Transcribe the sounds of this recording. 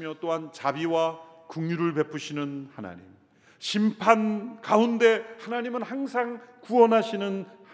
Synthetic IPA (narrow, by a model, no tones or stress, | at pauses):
mjʌt͈oɦant͡ɕabiwakuŋjuɾɯɭpe̞pʰuɕʰinɯnhana̰ɲḭm | ɕʰimpʰankaunde̞hanaɲimɯnhaŋsʰaŋkuwʌnɦaɕʰinɯn